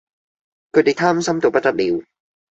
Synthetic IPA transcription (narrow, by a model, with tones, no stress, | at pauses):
kʰɯ˧˩d̪i˨˩jt̪ʰaː˥˩m˦sa˧˥mt̪u˨˩˦pa˧˩t͡ɕa˧t̪̚li˨˦w